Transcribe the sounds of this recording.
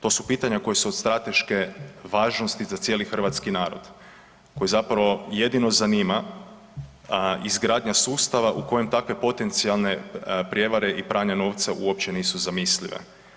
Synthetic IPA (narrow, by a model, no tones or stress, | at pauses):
t̪o̞supiːt̪aɲako̞jesuod̪st̪ɾat̪e̞ʃke̞ʋaːʒno̞st̪izat̪sje̞ːlixr̩ʋat̪skinaːɾo̰d̪̥ | ko̞jezapɾaʋo̞je̞d̪ino̞zaniːma | izɡɾaːd̪ɲasuːst̪aʋaʔuko̞je̞mt̪akʋe̞po̞t̪e̞nt̪sialˠne̞pɾje̞ʋaɾe̞ʔipɾaːɲano̞ːʋt̪saʔuop̚t͡ɕeniːsuzamislḭʋḛ